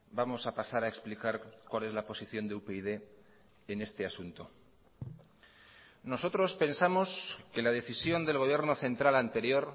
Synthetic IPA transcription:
bamo̞sapasaɾaeksplikaɾkwale̞zlapo̞siθjo̞nd̪eupeið̞e̞ | ene̞st̪e̞asunt̪o̞ | no̞so̞t̪ɾo̞spe̞nsamo̞ske̞lað̞e̞θisjo̞nd̪e̞lɣ̞o̞β̞jeɾno̞θe̞nt̪ɾalant̪e̞ɾjo̞ɾ

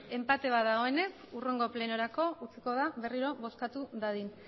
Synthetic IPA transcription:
e̞mpat̪e̞βaðaɣo̞e̞ne̞k | ure̞ŋɡo̞ple̞no̞ɾako̞ut͡siko̞ðaβe̞riɾo̞βo̞skat̪uðaðin

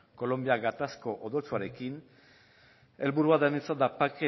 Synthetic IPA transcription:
ko̞lo̞mbiaɡat̪asko̞ʔoðot͡suaɾe̞kin | e̞lβuɾuaðenit͡sand̪apake

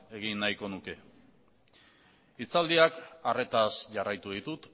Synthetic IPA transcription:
e̞ɣinːajko̞nuke̞ | it͡sald̪iakare̞t̪asʝarajt̪uðit̪ut̪

